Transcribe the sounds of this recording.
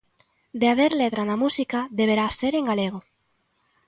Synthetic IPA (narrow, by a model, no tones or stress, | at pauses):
d̪eaβ̞eɾlet̪ɾanamusikaðeβ̞eɾaseɾeŋɡaleɣ̞o